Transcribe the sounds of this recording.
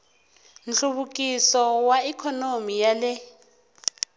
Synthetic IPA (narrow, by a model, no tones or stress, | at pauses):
nt͡ɬuβukʼisɔwaikʰɔnomijalɛ